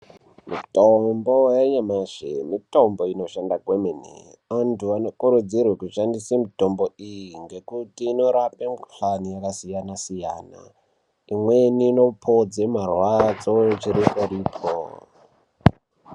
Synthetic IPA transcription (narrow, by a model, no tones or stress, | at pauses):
mḭtombo̞jeɲamaʐḛmito̞mbo̞ino̞ʃandaɡʱwemenḭ | antʰuano̞kuɾud͡zirwekuʃandisemito̞mboijiŋɡe̞kutiːno̞ɾapempɬlanijakasijanasija̰ːna̰ | imwe̞niːno̞pʰod͡zemarwad͡zo̞t͡ʃiɾipariːpʰo̰